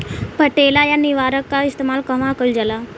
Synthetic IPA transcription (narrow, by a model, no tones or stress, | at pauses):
pəʈeːlajanɪʋaːɾəkːaɪst̪eːmaːlkɐmãkəld͡ʒəla